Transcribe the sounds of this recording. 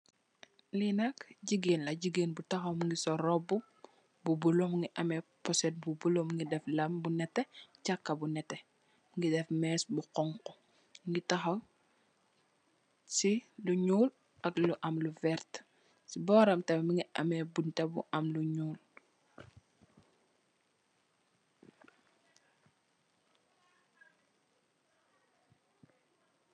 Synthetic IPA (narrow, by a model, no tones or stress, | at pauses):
linɐkɟiɡenlɐɟiɡenbutɐxɐwmuŋɡisɔɾɔbu | bubulomuŋɡiʔɐmɛpɔsɛd̚bubulomuŋɡidɛflɐmbunɛtːɛcakːɐbunɛtːɛ | muŋɡidɛfmɛːsbuqɔŋkɔ | ŋɡitɐxɐw | siluɲuːl | ʔɐkluʔɐmluvɛɾt | sibɔːɾɐmtɛmiŋɡiɐ̰mɛbuntɐbṵʔɐmluɲuːl